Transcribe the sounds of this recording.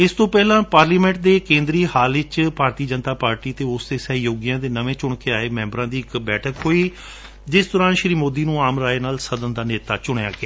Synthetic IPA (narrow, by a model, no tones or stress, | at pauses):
ɪst̪õːpɛːlãːpaːɾliːmɛ̃ːɳʈ̚d̪eːkẽːnd̪ɾiːhaːlɪt͡ʃpaːɾt̪iːd͡ʒənt̪aːpaːɾʈiːt̪eːʊsd̪eːsəɦjoːɡijãːd̪eːnəʋẽːt͡ʃʊɳkeːaːeːmɛ̃ːmbɾãːd̪iːɪkbɛːʈʰəkɦoːiː | d͡ʒɪsd̪ɔːɾãːnʃɾiːmoːd̪iːnũːaːmɾaːenaːlsəd̪ənd̪aːneːt̪aːt͡ʃʊɳeja̰ːɡɪaː